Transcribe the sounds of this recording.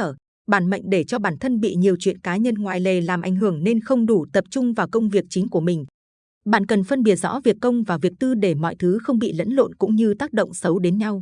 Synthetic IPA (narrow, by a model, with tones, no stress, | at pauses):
əː˧˩ | ɓaː˧˩nmə̰˧˨jŋ̟ɗe˧˩t͡ɕɔ˧ɓaː˧˩nt̪ʰə˧nɓḭ˧˨ɲi˨˩əwt͡ɕwḭ˧˨ənkaː˨˦ɲə˧nŋwaː˨˩jle˨˩laː˨˩mʔa˨˧˩jŋ̟hɨ˧˩əŋne˧nxə˧wŋ͡mɗu˧˩t̪ə˨˩p̚t͡ɕʊ˧ŋ͡mvaː˨˩wkə˧wŋ͡mvi˨˩ək̚t͡ɕï˨˦ŋ̟ku˧˩əmï˨˩ŋ̟ | ɓa̰ː˧˨nkə˨˩nfə˧nɓi˧˩ət̚z̥ɔ̰˧˥vi˨˩əkːə˧wŋ͡mvaː˨˩vi˨˩ək̚t̪ɨ˧ɗe˧˩mɔ̰˧˨jt̪ʰɨ˨˦xə˧wŋ͡mɓḭ˧˨lə̰˧˥nlo̰˧˨nkʊ̰˧˥ŋ͡mɲɨ˧t̪aː˦˥k̚ɗə̰˧˨ŋ͡msə˨˦wɗe˨˦nɲa˧w